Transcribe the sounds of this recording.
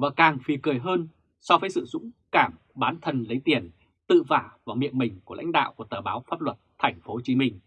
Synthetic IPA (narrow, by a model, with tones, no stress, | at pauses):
vaː˨˩kaː˨˩ŋfi˨˩kɨ˨˩əjɦəː˧n | sɔ˧vəː˨˦jsɨ̰˧˨zʊ̰˧˥ŋ͡mkaː˧˩m | ɓaː˨˦nt̪ʰə˧nlə˨˦jt̪i˨˧˩ən | t̪ɨ̰˧˨vaː˧˩vaː˨˩wmḭ˧˨ənmï˨˩ŋ̟ku˧˩əla̰˧˥ŋ̟ɗa̰ː˧˨wku˧˩ət̪əː˨˩ɓaː˨˦wfaː˦˥p̚lwə˨˩t̚t̪ʰɛ˨˩jŋ̟fo˨˦t͡ɕi˨˦mï˧ŋ̟